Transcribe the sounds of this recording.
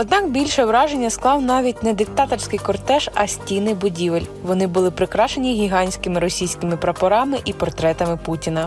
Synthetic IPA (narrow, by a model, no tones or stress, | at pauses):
ɔd̪nɑkbʲilʲʃɛʋɾɑʒenʲːɐsklˠɑwnɑʋʲit̚ʲnɛd̪ɪk̚t̪ɑt̪ɔrʲsʲkɪjkɔrt̪ɛʃɐsʲtʲijnɪjbʊdʲiʋelʲʋɔnɪbʊlˠɪpɾɪkɾɑʃe̞nʲiɦʲiɦɑnʲsʲkɪmɪɾɔsʲijsʲkɪmɪpɾɐpɔɾɑmɪʔipɔrt̪ɾɛt̪ɐmɪputʲinɐ